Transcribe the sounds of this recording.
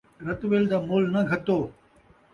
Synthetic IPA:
ɾɐt̪ʋeːld̪aːmoːlnɐɡʱɐt̪oː

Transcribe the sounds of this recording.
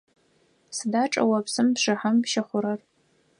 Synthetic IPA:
sɨdaːʈ͡ʂʼɐ̰wɐpsɨmpʂɨħampʃɐχʷʊɾɐr

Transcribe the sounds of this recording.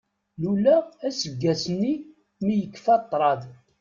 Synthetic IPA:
lulæːsəɡːæsənːi | mijəkːfɑt̪ˤːɾˤɑð

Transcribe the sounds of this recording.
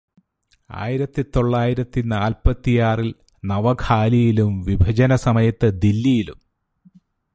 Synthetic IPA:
a̰ːjiɾɐt̪ːit̪o̞ɭːaːjiɾɐt̪ːinaːlpɐt̪ːijaːril | nɐʋɐkʰaːlijilumʋibʱɐd͡ʑɐnɐsɐmɐjɐt̪ːɨd̪ilːijilum

